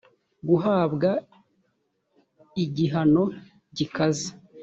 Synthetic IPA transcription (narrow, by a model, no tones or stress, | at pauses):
ɡuɦaːbɡa | iɟiɦano̞ | ɟikaze